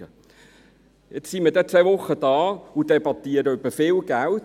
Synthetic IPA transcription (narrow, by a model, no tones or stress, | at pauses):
ə | jɛt͡ssimiədɛt͡sʋeʋʊχːəd̥ɑːʊd̥ebɑt̪iəɾəyb̥əfɪːlɡælt